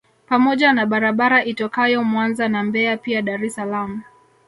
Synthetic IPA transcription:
pamɔʄanaɓaɾaɓaɾaʔitɔkajɔmwanzanambɛapiaɗaɾɛsalamu

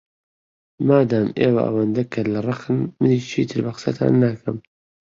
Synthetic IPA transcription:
maːd̪aːmeːwɐ̰ʔɐ̰wɐnd̪ɐkʰɐlɐrˤɑxɨnmɨniːt͡ʃʰiːt̪ʰɨɾbɐqɨ̥sɐt̪ʰa̰ːnːakʰɐm

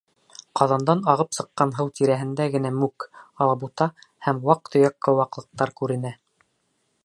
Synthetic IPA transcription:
qɑðɑnd̪ɑnɑʁɤpsɤ̆qːɑnɦɤwt̪iɾæɦɘ̆nd̪æɡɘ̆næmʉkɑlˠɑbut̪ɑhæmwɑq̚t̪ʰŏjɑkːɤ̆wɑqlˠɤ̆q̚t̪ɑɾkʉɾɘ̆næ

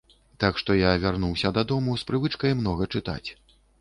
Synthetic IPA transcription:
t̪akʂt̪ɔjavʲarnuwsʲɐd̪ad̪ɔmuspɾɨvɨt͡ʂkɐjmnɔɣɐt͡ʂɨt̪a̰t͡sʲ

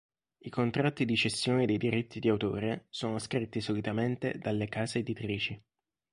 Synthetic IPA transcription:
ikont̪ɾat̪ːid̪id͡ʒest̪joːnid̪ejd̪iɾit̪ʰːid̪iawt̪o̰ːɾesoːnoskɾit̪ːisolit̪ament̪ed̪alːekaːzeːd̪it̪ɾiːt͡ʃi

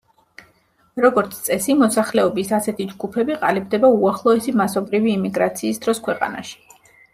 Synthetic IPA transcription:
ɾɔɡɔɾt̪sʰt̪sʼɛsimɔsaχlɛɔbisasɛt̪ʰid͡ʒɡupʰɛbiqʼa̰libd̪ɛbauaχlˠɔɛsimasɔbɾiviːmiɡɾat̪sʰiːsd̪ɾɔskʰwɛqʼa̰na̰ʃi̥

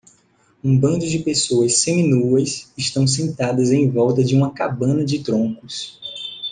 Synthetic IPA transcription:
ũbɐ̃nd̪ʊd͡ʒɪpesoɐsːẽj̃nuɐsɪʃt̪ɐ̃w̃s̬ẽnt̪ad̪ɐzẽj̃vɔwt̪ɐd͡ʒɪũmɐkabɐ̃nɐd͡ʒɪt̪ɾõŋkʊs

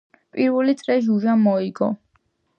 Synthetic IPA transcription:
pʼiɾvɛlit̪sʼɾɛʒuʒamɔiɡɔ̰

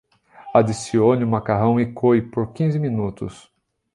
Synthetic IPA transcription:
ad̪isionʊmakaɦɐ̃w̃ikʰojpoɾkĩzɪminut̪ʊ̰s

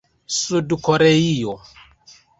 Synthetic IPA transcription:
sudukʰɔɾɛijɔ

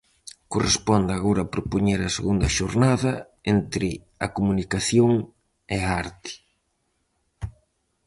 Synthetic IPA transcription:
korespɔnd̪aɣoɾɐpɾopoɲeɾɐseɣund̪ɐʃoɾnaðɐ | ent̪ɾɪ | ɐkomunikaθjoŋ | eaaɾt̪ɪ̥

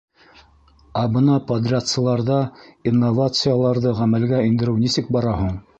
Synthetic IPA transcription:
ɑbɤnɑpɐd̪rʲat̪sɤ̆lˠɑɾðɑinːovat̪sɨjalˠɑɾðɤʁæmælɡæɘ̆nd̪ɘ̆ɾɘwnisɘk̚bɑɾɑɦuɴ

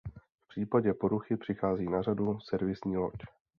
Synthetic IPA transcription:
fpr̝̥iːpaɟɛpo̞ɾuxɪpr̝̥ɪxaːziːnar̝adusɛɾvɪsɲiːlo̰c

